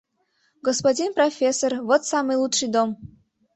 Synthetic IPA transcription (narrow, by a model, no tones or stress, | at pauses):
ɡɔspodʲinprofʲesːorvot̪samɨjlˠutʂɨjd̪om